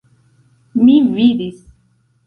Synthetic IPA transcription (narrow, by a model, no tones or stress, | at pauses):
mivid̪is